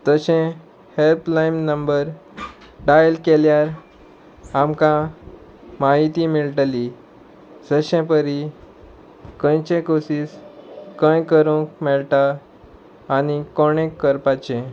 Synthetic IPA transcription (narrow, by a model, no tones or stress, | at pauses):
t̪əɕẽ | helplajmnəmbəɾ | ɖajlkeljaɾ | amkã | maɦit̪imiɭʈəli | səɕɛ̃pəɾi | kə̃jt͡ɕẽkosiːskə̃jkəɾũkmɛɭʈaː | ñikoɽ̃ẽkːəɾpat͡ɕẽ